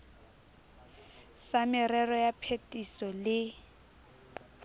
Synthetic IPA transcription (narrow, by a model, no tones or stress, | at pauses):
samɪrɛrɔjapʰetʼisɔlɪ